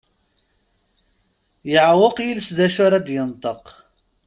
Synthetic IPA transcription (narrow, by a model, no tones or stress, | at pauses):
jəʕwəqjilsðæʃʊɾɑd̪jənt̪ˤəq